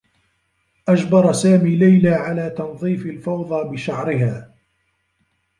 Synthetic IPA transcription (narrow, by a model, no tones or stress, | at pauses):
ʔad͡ʒbɑɾˤɑsaːmiːlajlaːʕalaːt̪ɑnðˤiːfɪlfɑwðˤɑːbɪʃaʕɾɪɦaː